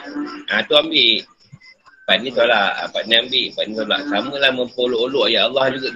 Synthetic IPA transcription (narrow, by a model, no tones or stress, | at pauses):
ʔat̪uambiʔ | banĩsolaʔa̰banĩambiʔbat̪nĩs̬ola̰ʔsamə̃lahməmpoloʔoloʔjaʔːlːɑhd͡ʒuɡa